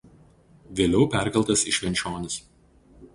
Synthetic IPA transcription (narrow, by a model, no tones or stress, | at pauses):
ʋʲeːlʲɛʊpʲæˑɾʲkʲɐlˠʲt̪ɐsɪʃʲʋʲɛnʲt͡ʃʲoːnʲɪs